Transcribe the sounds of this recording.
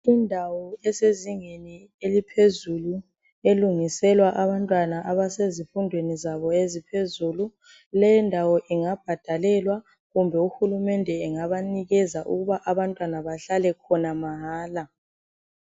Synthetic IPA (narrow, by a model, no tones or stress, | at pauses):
indʱawɔɛseziŋeni | elipʰezulu | eluŋisɛlwaʔaβantʼwanaʔaβasezifundʱwenizaβɔezipʰezulu | lɛjɛndʱawɔʔiŋab̥̚ʱad̥ʱalɛlwa | ɣumbʱɛuxulumɛndʱɛːŋaβaniɣɛzaʔṵɣuβaʔaβantʼwanaβaɬalɛkʰɔnamaɦaːla